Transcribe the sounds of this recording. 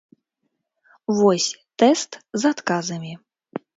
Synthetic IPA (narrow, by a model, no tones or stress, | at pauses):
vɔsʲt̪ɛst̪zat̪kazɐmʲi